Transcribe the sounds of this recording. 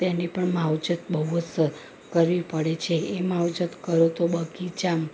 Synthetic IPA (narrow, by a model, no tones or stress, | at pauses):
t̪enipəɳmawd͡ʒət̪̚bəəs | kəɾʋipəɽet͡ʃʰeemawd͡ʒət̪kəɾot̪obəɡid͡ʒam